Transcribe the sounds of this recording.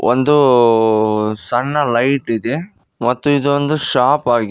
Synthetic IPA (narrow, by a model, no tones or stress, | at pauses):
ʋɐ̰nd̪ɯ | sɐɳːɐlɐɪʈːɪðe | mɐt̪ːɯ̃ɪðɯʋɐnd̪ɯʂaːpaːɣi